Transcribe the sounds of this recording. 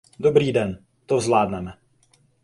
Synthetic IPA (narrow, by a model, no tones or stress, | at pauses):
dobɾiːdɛn | t̪ovzlaːdnɛmɛ